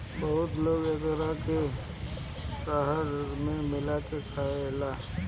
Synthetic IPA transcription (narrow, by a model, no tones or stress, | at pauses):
bəɦʊt̪loːɡeɡəɾake | kaːɦəɾmẽmɪlakekʰaːela